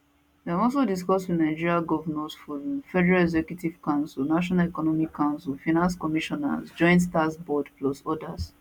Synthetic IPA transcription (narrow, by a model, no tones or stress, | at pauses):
dɛ̃nɔlsodiskɔstwinaɪd͡ʒiɹiaɡɔvanãsfɔɾ̃mfɛdɛɹalɛɡzɛkjutiv̥kãʊ̃nsilnaʃ̬ɔnalɛkɔnɔmikʰːãʊ̃nsilfanãnskɔmiʃɔna̰sd͡ʒɔ̃ɪ̃ntstasbɔdplɔsɔdas